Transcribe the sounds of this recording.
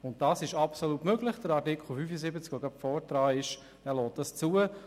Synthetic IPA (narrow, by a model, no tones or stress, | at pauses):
ʊnt̚d̥ɑːsɪʃɑpsoluːtmøɡlɪχd̥əɾɑɾtɪkχl̩ˠfyːfəsɪbət͡skoɡapfɔːɾtɾɑːɪʃ | ɛlɔːt̚dɑst͡suːə